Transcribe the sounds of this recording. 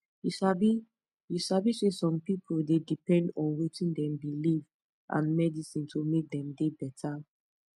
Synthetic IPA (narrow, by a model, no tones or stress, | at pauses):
jusabi | jusabisesɔ̃mpipʰoldedipɛ̃ndɔ̃nwetĩndɛ̃mbiliv | ʔã̰nmɛdisĩntʰomek̚dɛ̃mdebɛtʰa